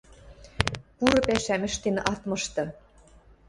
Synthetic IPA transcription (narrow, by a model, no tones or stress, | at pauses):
puɾɤ̆pæʃæmɘ̆ʃt̪enɑt̪mɤ̆ʃt̪ɤ̆